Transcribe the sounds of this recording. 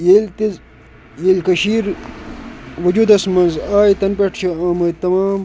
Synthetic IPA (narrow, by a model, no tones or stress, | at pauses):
jelt̪i | jelkɐɕiːɾ | ʋɐd͡ʑuːd̪ɐsmɐnzaːjit̪ɐnpeʈʰt͡ʃʰɐaːmɐjt̪ɐmaːm